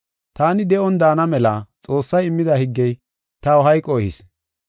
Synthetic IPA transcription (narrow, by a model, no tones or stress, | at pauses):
t̪aːnɪd̪ɛɔnd̪aːnɐmɛlɐt͡sʼo̞ːsːɐjɪmːɪd̪ɐhɪɡːɛj | t̪ɐwʊɦɐjkʼɔhɪ̰s